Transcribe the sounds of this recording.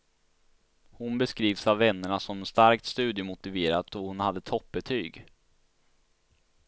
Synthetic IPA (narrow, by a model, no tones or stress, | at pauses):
hʊnbɛskɾiːvsavːɛnːəɳasɔmɛnst̪aɾk̚t̪st̪ʉ̟ːd̪jəmʊt̪ɪveːɾat̪dɔhʊnhad̪ːət̪ʰɔp̚bɛt̪ʰyːɡ